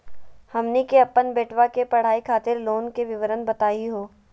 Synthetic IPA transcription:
hɐmnikeɐpːənbeːʈʰʋakepɐɽ̤aːikʰaːt̪ɪɾloːnkeʋɪʋəɾənbɐt̪aːiɦoː

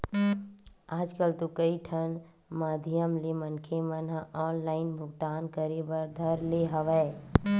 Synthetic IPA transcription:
aːd͡ʒkəlt̪okəiʈʰən | maːd̪ʱijəmlemənkʰemənɦəʔɔːnlaːɪnbʱʊɡt̪aːnkəɾebəɾd̪ʱəɾleɦəʋɛ

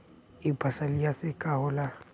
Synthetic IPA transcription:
ɪbʱasaliasɪkʼahʊla

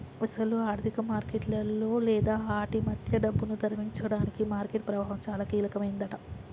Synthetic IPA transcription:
ɐsɐluaːɾt̪ʰikɐmaːɾkeʈlɐlːo̞ːlɛːd̪aːaːʈimɐd̪ʱjɐɖɐbːunud̪ɐɾɐmiɲt͡ʃɐɽaːnikimaːɾkeʈ̚pɾɐʋaːɦɐmt͡ʃaːlaːkiːlɐkɐmɐjind̪ɐʈɐ

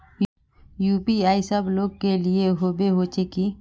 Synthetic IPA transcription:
juːpiaːisəbloːɡ̚kelieɦoːbeɦoːt͡ʃeki

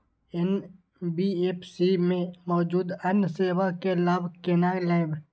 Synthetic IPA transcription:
en | biːeːpsimẽmɔːd͡ʒuːd̪ɐnseːʋakelaːbʱkenaːelaːb

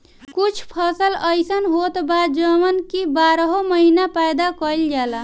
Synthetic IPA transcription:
kut͡ʃʰpʰʌsəlʌjsʌnɦot̪bad̪d͡ʒʌmənkibaɾəɦomʌɦinapajd̪akʌild͡ʒala

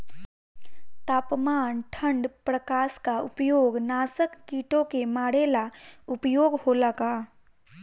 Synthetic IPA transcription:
t̪aːpmaːnʈʰə̃ɳɖpɾəkaːskaʊpjoːɡnaːsəkːiːʈõkemaːɽelaʊpjoːɡholaɡaː

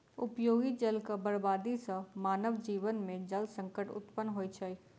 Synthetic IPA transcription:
ʊpjoːɡid͡ʒəlkabəɾbaːd̪isamaːnəʋd͡ʒiːʋənmẽd͡ʒəlsə̃ŋkəʈʊ̰t̪pənɦoːit͡ʃʰɐi

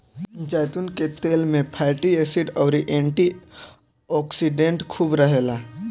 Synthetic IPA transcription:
d͡ʒaːɪt̪unket̪eːlmẽpʰaːɪʈieːsɪɖɔːɾiʔẽːɳʈi | ɔːksiɖẽɳʈkʰuːbɾəɦeːlaː

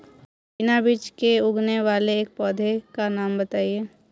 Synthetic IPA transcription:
pɪnabit͡ʃkeʊɡneʋaːleːk̚pɔːd̪ʱekanaːmbɐt̪aːieː

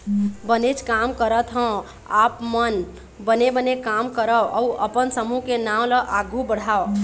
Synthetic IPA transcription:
bənet͡ʃʰkamkəɾət̪ɦə̃ | apmən | bənebənekamkəɾəʔəwəpənsəmukenamləʔaɡʱubəɽ̤ao

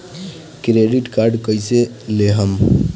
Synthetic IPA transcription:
kɾeɖiʈkaɾɖkəjse | leɦəm

